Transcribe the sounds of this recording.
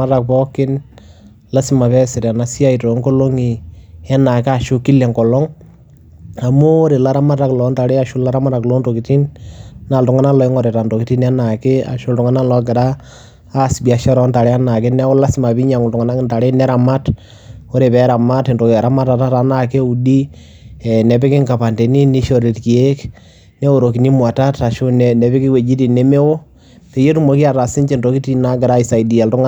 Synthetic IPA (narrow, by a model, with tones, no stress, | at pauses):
a˦ɾa˨k̚pɔ˦kɪ˦n | la˦sɪ˨ma˨pɛ˦sɪ˨ɾɛ˨na˨si˦a˦i˨to˨˦ŋkɔ˦lo˦ŋi˨ɛ˦na˨ka˦ʃʊ˦ki˦lɛ˨ŋkɔ˨lɔ˦ŋ | a˨mo˦ɾe˨la˦ɾa˦ma˦ta˦klɔ˨˦nta˨ɾe˦a˨ʃu˦la˦ɾa˦ma˦ɾa˨klɔ˦nto˨ki˨ti˦nna˨ltʊ˨ŋa˦na˦lɔ˨˦ɪ˦ŋɔ˨ɾe˨ta˨nto˨ki˨ti˦nɛ˦na˨kɪ˦a̰˨ʃo˦ltʊ˨ŋa˦na˦lɔ˦k̬ɪ˨ɾaː˦˨ | sbi˨a˨ʃɔ˦ɾɔ˦nta˨ɾɛ˦a˦na˨ke˦nɛ˦ɔ˦la˦sɪ˦ma˨pi˦ɲa˨ŋʊ˨ltʊŋa˨na˦knta˨ɾe˦nɛ˦ɾa˨ma˦t | o˦ɾe˨pɛ˦ɾa˨ma˦te˨ndo˨kɾa˦ma˦ta˨˦ta˦ta˦na˨ke˦u˨di˦ | ɛ˨nɛ˨pe˦kɪ˦ŋka˨pa˨nte˨ni˦ni˦ʃo˦ɾe˨tki˨e˦k | ne˦wo˨ɾo˨ki˨ni˦mwa˨ta˦ta˨ʃo˦nnɛ˨pe˦ki˦we˨d͡ʒi˦ti˨nɛ˦me˦wo˦ | pe˨je˦tu˦mo˨ki˦a˨ta˨sɪ˦nt͡ʃe˨ndo˨ki˦ti˦na˦ɡɪ˨ɾa˦i˨sa˨jdi˨a˨ltʊ˦ŋa